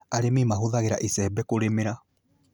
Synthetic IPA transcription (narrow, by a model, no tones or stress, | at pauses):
aɾemimaɦoðaɣeɾaʔisɛbɛkoɾemeɾa